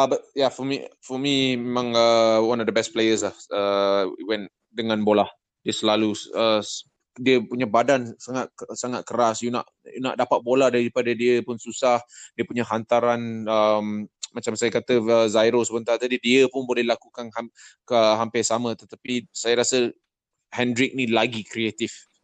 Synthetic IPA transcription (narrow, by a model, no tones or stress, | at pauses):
əbat̪̚jafɔmḭfɔmimẽmãŋəwanɔvdəbɛst̚plejəs̬lahəḭwɛn | dəŋãnbolah | diəsəlaluə | diəpuɲabadansaŋat̪̚saŋat̪̚kəɾasjuna̰ʔ | jṵna̰ʔdapat̪̚bolahdaɾipadadiəpʊnsusahdiəpuɲaɦant̪aɾanəmmat͡ʃamsajakat̪əəzajɾosəbənt̪art̪adidiəpʊnbolɛhlakukanha | əɦampɪsamə̃t̪ət̪apisajaɾasə | hɛndɾɪk̚nilaɡikɾiet̪ɪf